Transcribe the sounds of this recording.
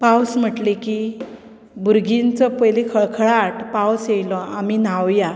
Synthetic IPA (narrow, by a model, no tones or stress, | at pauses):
pawsm̤əʈliki | buɾɡint͡səpəjlikʰəɭkʰəɭaʈpawsjejlɔam̤inawja